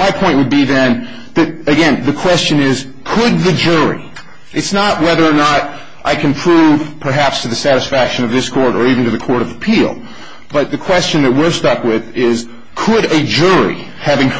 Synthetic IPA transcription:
maɪpʰɔ̃ɪ̃nt̚wəd̚biðɨ̃n | ðɨt̪̚ɨɡɛ̃nðɨkʰw̥ɛst͡ʃɨ̃nɪz̥ | kʰəd̪̚ðɨd͡ʒʊɹḭ | ʔɨtsnət̚wɛðə˞ːnəɾ | ʔaɪkʰɨ̃npʰɹ̥uv̥pʰə˞ɦæpstʰɨðɨsæɾɨsfækʃɨ̃nʌvðɪskʰɔɹɾə˞ivn̩tɨðɨkʰɔɹɾʌvəpʰilˠ | b̥ʌt̪̚ðɨkʰw̥ɛst͡ʃɨ̃nðɨt̚wɪɹstʌkwɪðɪz̥ | kʰəɾɨd͡ʒʊɹḭ | hævɪ̃ŋ

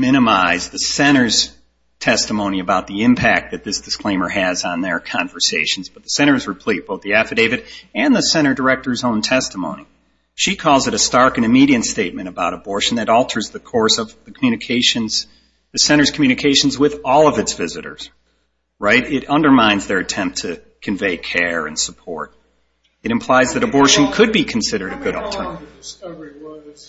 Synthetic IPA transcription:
mɪ̃ɾ̃ɨmaɪzðɨsɛ̃ɾ̃ə˞z̥ | tʰɛstəmõʊ̃niɨbaʊt̪̚ðiɪ̃mpʰæk̚t̪̚ðɨt̪̚ðɪsd̥ɨskʰl̥ẽɪ̃mə˞ɨzn̩ðə˞kʰɑ̃ɱvə˞seɪʃn̩zb̥ʌt̪̚ðɨsɛ̃ɾ̃ə˞zɹɨpʰl̥it̚b̥oʊθðiæfɨdeɪvɨɾɨ̃nðɨsɛ̃ɾ̃ə˞də˞ɛk̚tə˞zõʊ̃ntʰɛstəmõ̰ʊ̃ni | ʃikʰɔlˠzɨɾɨstɑɹkɨ̃ñɨmiɾiɨ̃ntsteɪt̚mɨ̃ɾ̃ɨbaʊɾəbɔɹʃn̩ðɨɾɔlˠtʰə˞zðɨkʰɔɹsʌvðɨkʰmjʉnɨkʰeɪʃɨ̃nz̥ | ðɨsɛ̃ɾ̃ə˞z̥kʰm̩jʉñɨkʰeɪʃn̩zwɪðɔlˠʌvɨtsv̥ɪzɨɾə̰˞z̥ | ɹaɪɾɪɾʌ̃ndə˞mãɪ̃nzðə˞ɨtʰɛ̃mp̚tʰɨ | kʰɨ̃ɱveɪkʰɛɹɨ̰̃nsəpʰɔ̰ɹɾ̚ | ɨɾɨ̃mpʰl̥aɪzðɨɾɨbɔɹʃɨ̃n̩kʰɨd̚bikʰn̩sɪɾə˞ɾɨɡʊɾl̩ˠtʰɜ˞nɨɾɪvv̥

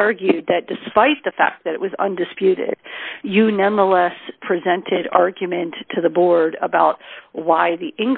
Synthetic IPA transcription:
ɑɹɡjʉd̪̚ðɨt̚d̥ɨspaɪt̪̚ðɨfæ̰k̪̚ðɨɾɨ̰ʔ̚wʌzʌ̰̃ndɨspjʉɾɪ̰d̥jɨnʌ̃nðəlɛspʰɹ̥izɛ̃ntʰɪɾɑ̰ɹɡjɨmɨ̃ntʰːɨðəbɔɹɾə̰baʊt̚waɪðiʔɪ̃ŋɡ

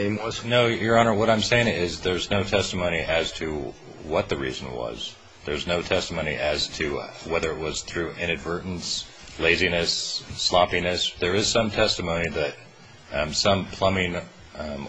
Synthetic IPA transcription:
noʊjə˞ɑnə˞wʌɾãɪ̃mseɪɪ̃ŋɪzðə˞znoʊtʰɛstəmõʊ̃ñiʔɨz̥tʰɨ | wʌt̪̚ðɨɹḭz̃n̩wʌ̰z̥ | ðə˞znoʊtʰɛstəmõʊ̃nḭʔɨz̥tʰɨwɛðə˞ɨt̚wʌz̥θɹʉʔɪ̃nɨdvɜ˞ʔn̩s | leɪzinɨsːlɑpinɨsðə˞ɨz̥sʌ̃mtʰɛstɨmõʊ̃ñiðɨt̚ | sʌ̃mpʰl̥ʌmɪ̃ŋ

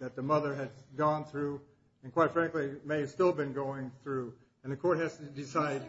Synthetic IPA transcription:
ðɨt̪̚ðɨmʌðə˞ɨd̚ɡɔ̃nθɹʉ | ɨ̃nkʰw̥aɪtfɹæ̃ŋklimeɪɨ̥stɪlˠbɨ̃nɡoʊɪ̃ŋθɹʉ | ɨ̃nðɨkʰɔɹt̚hɨz̥tɨdɪsaɪd̚

